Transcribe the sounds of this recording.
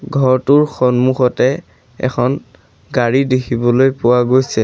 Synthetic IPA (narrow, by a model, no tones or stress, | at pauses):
ɡʱɔɹtʊɹxɔnmuxɔtɛ | ɛ̰kʰɔn | ɡaɹidekʰibɔlojpʊwaɡojsɛ